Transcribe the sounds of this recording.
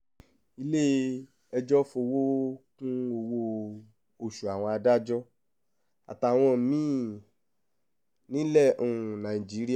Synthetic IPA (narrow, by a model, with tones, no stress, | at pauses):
i˧le˦ | ɛ˧d͡ʒɔ˦fo˧wo˦kũ˦o˧wo˧ | o˨ʃu˨a˨w̃ɔ̃˧a˧da˦d͡ʒɔ˦ | a̰˨ta˨w̃ɔ̃˧˨mĩ˦ | nĩ˦lɛ˦˨õ˧˨nã˨i˨d͡ʒi˨˦ɾi˦˨